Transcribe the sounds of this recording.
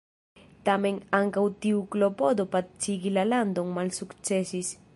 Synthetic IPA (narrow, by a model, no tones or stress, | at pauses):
t̪amẽŋaŋkawt̪iuklopod̪opat̪̚t͡ʃiɡilaland̪oŋmalsukt͡ʃɛsis